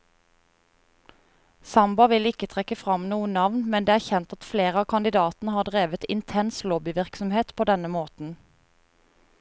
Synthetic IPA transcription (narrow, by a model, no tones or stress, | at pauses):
sɑmbɑʋɪlɪkət̪ʰʁɛkəfʁɑmnuːənɑʋnmɛnd̪eːæːʁçɛnt̪ɑt̪fleːʁəɑːkʰɑnd̪ɪd̪ɑːt̪n̩əhɑːʁd̪ʁeːʋət̪ɪnt̪ʰɛnsloːbɪʋɪʁksɔmheːt̪pʰoːd̪ɛnəmoːt̪n̩